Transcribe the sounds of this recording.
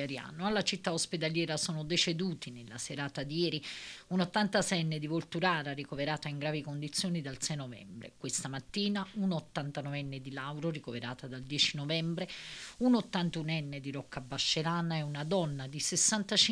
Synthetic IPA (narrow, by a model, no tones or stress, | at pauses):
aɾia̰ːnoalːat͡ʃit̪ːaosped̪aljɛːɾasoːnod̪et͡ʃed̪uːt̪inelːa̰seɾaːt̪ad̪ijɛːɾiunot̪ːant̪asɛjɛnːed̪ivolt̪uɾaːɾaɾikoveɾaːt̪aiŋɡɾaːvikond̪it̪sːjoːnid̪alsɛjnovɛ̰mbɾḛkwest̪amat̪ːiːnaunot̪ːant̪anɔvɛnːed̪ilawɾorikoveɾa̰ːt̪ad̪ald̪jɛːt͡ʃinovɛmbɾeunot̪ːant̪unɛnːed̪iɾɔkːabaʃːeɾaːnaɛunad̪ɔnːad̪isesːant̪at͡ʃi